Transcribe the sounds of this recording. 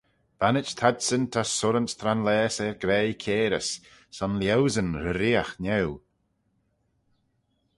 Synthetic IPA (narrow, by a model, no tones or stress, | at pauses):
b̥anɪt͡ʃt̪ʰadsənt̪ʰasʊɾənst̪ʰɾanlɛːsɛɹɡɾɛjkʰeːɾəsː | ɔnljɛwzənɾəɾiaxnɛw